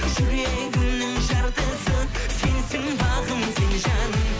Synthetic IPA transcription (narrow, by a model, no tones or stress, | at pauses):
ʒʏɾeɡɪnːɪŋʒɑɾd̪əsəse̞nsɪŋbɑʁəmsenʒɑnəm